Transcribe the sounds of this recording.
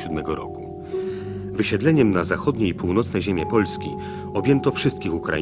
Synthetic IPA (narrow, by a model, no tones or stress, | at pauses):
ud̪mɛɡɔɾɔ̰ku̥ | vɘɕɛd̪lɛɲɛmnazaxɔd̪ɲejipuwnɔt̪snɛʑemʲjɛpɔlskʲḭ | ɔbʲjɛnt̪ɔfʂɘst̪̚kʲixukɾa̰